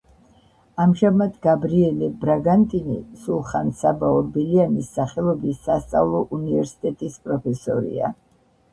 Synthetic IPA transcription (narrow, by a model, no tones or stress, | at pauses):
amʒamad̪ɡabɾiɛlibɾaɡant̪ʼinḭsulˠχansabaɔbilianisːaχɛlˠɔbisːast̪sʼa̰vlˠɔʔunivɛɾsi̥t̪ʼɛt̪ʼispʼɾɔpʰɛsɔ̰ɾḭa̰